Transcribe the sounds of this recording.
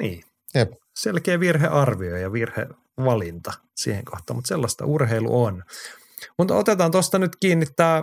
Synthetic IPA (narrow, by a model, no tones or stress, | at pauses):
niː | jep | selkeːʋirɦḛʔɑrʋiojjɑʋirhḛ | ʋɑlint̪ɑsḭːhḛŋkoht̪ɑːmut̪selːɑst̪ɑ̰urɦeilṵʔon | mut̪o̰t̪et̪ɑnt̪ost̪ɑnyt̪kiːnːit̪ːæː